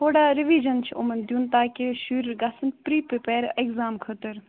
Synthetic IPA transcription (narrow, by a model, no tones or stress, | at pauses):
hʰoːɽaːɾiʋiːd͡ʒɐnt͡ʃʰo̰mɐnd̪juːnt̪aːkʲeʃuːɾɡasənt̪pɾiːpepeːɾekzaːmkʰət̪əɾ